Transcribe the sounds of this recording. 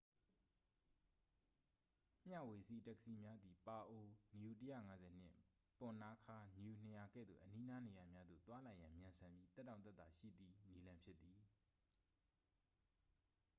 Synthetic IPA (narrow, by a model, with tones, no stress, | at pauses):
m̥ja̰˦˨we˨sḭ˦˨tɛ˦kə̥si˦mja˦d̪i˨pa˨ʔo˨nju˨tə˦ja̰˦˨ŋa˨˦zɛ˨n̥ɪ̰̃˦ʔ | pʊ̃˨na˦kʰa˦nju˨n̥ə˨ja˨ɡɛ̰˦˨d̪ðo̰˦˨ʔəni˦na˦ne˨ja˨mja˦d̪ðo̰˦˨t̪wa˦la˨jã˨mjã˨nsʰã˨mbji˦t̪ɛ˦tːã˨t̪ɛ˦t̪t̪a˨ʃḭ˦˨d̪ði˦ni˦lã˦mpʰjɪ˦t̪̚ːi˨